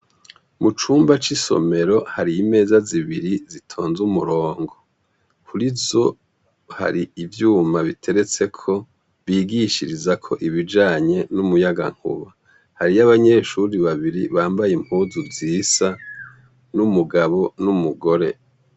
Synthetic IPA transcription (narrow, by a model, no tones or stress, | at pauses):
mut͡ʃuːmbat͡ʃiso̞̰me̞ɾo̞haɾiime̞ːzaziβiɾizitʰo̞ːnzumuɾo̞ːŋɡo̞ | kuɾivzo̞ | ha̰ɾiivjuːmaβitʰe̞ɾe̞t͡se̞kʰo̞ | βiːɡiʃiɾizakʰo̞ʔiβid͡ʒaːɲe̞numujaɡa̰ŋ̥ṵβa | haɾijaβaɲe̞ʃuɾiβaβiɾiβaːmbajim̥uzuvziːsa | numuɡaβo̞numuɡo̞ɾe̞